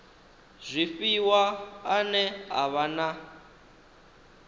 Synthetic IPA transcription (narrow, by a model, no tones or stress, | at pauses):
z̥ʷifiwaːnɛɦa̰βana